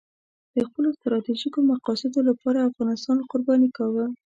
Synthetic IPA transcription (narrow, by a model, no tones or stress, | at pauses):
d̪̥əxpəlost̪ɾɑt̪iʒikomaqɑsɪd̪olapɑɾaːfɣɑnɪst̪ɑnqʊɾbɑnikawə